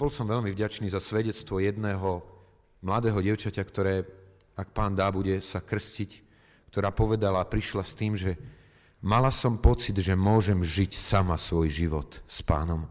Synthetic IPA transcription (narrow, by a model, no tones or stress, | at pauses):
b̥ɔlsɔmʋɛʎmivɟat͡ʃniːzasʋɛɟɛt͡st̪ʋɔjɛd̪nɛːɦɔ | mlad̪ɛːɦɔɟɪɛʊt͡ʃacakt̪ɔɾɛː | ak̚paːnd̪aːbuɟɛsakr̩scic | kt̪ɔɾaːpɔʋɛd̪alaːpɾiʃlast̪iːmʒɛ | malasɔmpɔt͡sid̪ʒɛmʊɔʒɛmʒicsamasʋɔjʒiʋɔt̪spa̰ːnɔm